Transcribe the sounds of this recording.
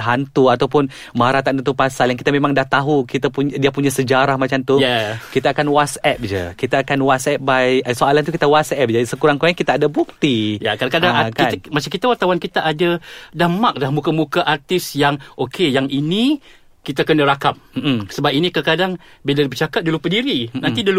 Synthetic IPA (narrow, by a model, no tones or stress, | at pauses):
ɦant̪uat̪awpʊn | maɾat̪and̪nt̪upasaljaŋkit̪amemaŋdaht̪aɦukit̪apudiapuɲasəd͡ʒaɾahmat͡ʃamt̪ujɛkit̪aːkanwasɛp̚d͡ʒə̰kit̪aːkanwat̪sɛp̚bajəsoalant̪ukit̪awasɛp̚d͡ʒadisəkuɾaŋkuɾaɲakit̪aːdabuk̚t̪ijakaɾakadaŋakainmat͡ʃaŋkit̪awart̪awankit̪aʔadadamak̚dahmukamukaʔart̪ɪsjaŋʔokʰejaŋʔinĩ | kit̪akənəɾakam̩̚səbap̚inikakadaŋbidadibərt͡ʃakat̚dulupədiɾinãnidulu